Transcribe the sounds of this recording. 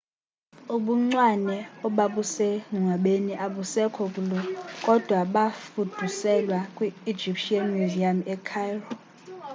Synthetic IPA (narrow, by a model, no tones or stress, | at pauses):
uɓuŋ͡ǀwanɛɔɓaɓusɛŋʱuŋaɓeniʔaɓusɛkʰɔk̬ʼulɔkʼɔd̥ʱwaɓafud̥ʱusɛlwakʼwi̥ːd͡ʒipʰʃʼianmiziamɛkʰajrɔ